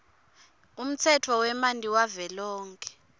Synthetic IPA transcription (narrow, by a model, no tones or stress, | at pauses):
um̩t͡sʰɛtʰɔwɛmantʼiwavɛlɔːŋkʰʼɛ̥